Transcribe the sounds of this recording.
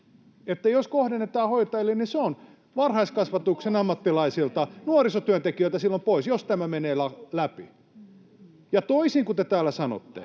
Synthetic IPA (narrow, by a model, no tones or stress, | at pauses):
et̪ːæjoskohdenːet̪ɑːhoit̪ɑeliniseon | ʋɑrhɑiskɑsʋɑt̪uksenɑmːɑt̪ːilɑisilt̪ɑnuorisot̪yønt̪ekiøit̪æsilːompoisjost̪æmæmeneːlælæpḭ | jɑt̪oisiŋkut̪et̪æːlːæsɑno̰t̪ːḛ